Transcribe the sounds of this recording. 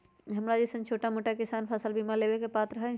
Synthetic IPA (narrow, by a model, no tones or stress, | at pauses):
ɦɐmɾad͡ʒisə̃nt͡ʃʰoːʈamoːʈakɪsaːnpʰəsəlbiːmaleːbekepaːt̪ɾɐɦe